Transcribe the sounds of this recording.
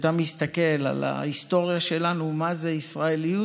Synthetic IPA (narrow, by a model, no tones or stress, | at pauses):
t̪amist̪ake̞la̰la̰ist̪o̞ʁjaʃe̞lanumazeisʁaeliu